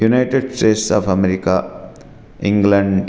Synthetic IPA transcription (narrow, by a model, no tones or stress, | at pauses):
junajʈeɖsʈeʈsɔ̰pʰɐmeɾika | ĩŋɡleɳɖɖ